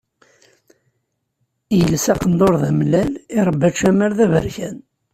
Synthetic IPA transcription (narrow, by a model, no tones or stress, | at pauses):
jəlsæqənd̪oɾðæmlælɪɾˤbːæt͡ʃæməɾðævə̰ɾçæn